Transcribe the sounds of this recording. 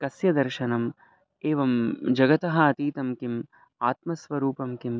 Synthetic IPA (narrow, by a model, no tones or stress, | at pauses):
kɐsjɐd̪ɐɾʃɐnɐm | eːʋɐmd͡ʒɐɡɐt̪ɐɦɐɐt̪iːt̪ɐmkim | aːt̪mɐsʋɐɾuːpɐmkim